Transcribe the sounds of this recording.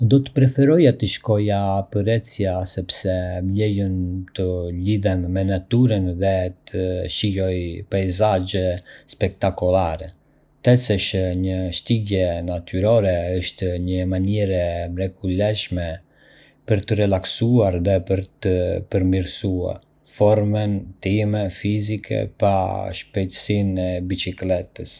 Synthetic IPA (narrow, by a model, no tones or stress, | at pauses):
d̪ɔt̪ə̥pɾɛfɛɾɔjat̪əʃkɔjapəɾɛt͡sjasɛpsɛmlɛjənt̪əliðɛmːɛnat̪yɾənðɛt̪ʰəʃijɔjpajzad͡ʒɛspɛk̚t̪akɔlaɾɛ | t̪ɛsɛʃəɲəʃt̪iɡɛnat̪yɾɔɾɛəʃt̪ɲəmaɲɛɾɛmɾɛkulɛʃmɛ | pəɾt̪ərɛlaksuaɾðɛpəɾt̪əpəɾmiɾsua̰ɾ | fɔɾmɛnt̪imɛfizikʰɛ̰paʃpɛt̪əsinɛbit͡ʃiklɛt̪əs